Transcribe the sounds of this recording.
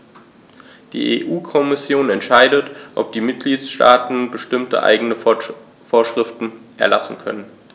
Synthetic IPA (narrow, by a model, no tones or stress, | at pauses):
d̥ḭːʔeːʔuːkʰɔmɪsjoːnɛntʃaɪdətʔɔ̰p̚d̥iːmɪt̚ɡ̥liːtsʃta̰ːtn̩bəʃtɪmtə̰ʔa̰ɪɡənə | foːɐʃʁ̥ɪftn̩ʔɛ̰ɐlasn̩kʰœ̰nən